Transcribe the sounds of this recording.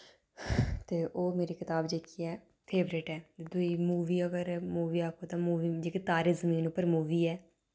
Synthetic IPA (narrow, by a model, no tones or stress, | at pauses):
t̪eːʔoːmeːɾiːkɪt̪aːbd͡ʒeːkiːɛː | pʰeːbɾeːʈɛːt̪ed̪uiːmuːʋiːəɡəɾmuːʋiːaːkoːt̪ãːmuːʋiːd͡ʒeːkɪt̪aːɾeːzəmĩːnʊpːəɾmuːʋiːɛː